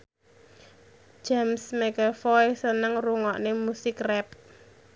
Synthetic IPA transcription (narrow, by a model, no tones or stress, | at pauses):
d͡ʒamsmeɡafɔsənəŋruŋɔʔnemusɪkrɛp̚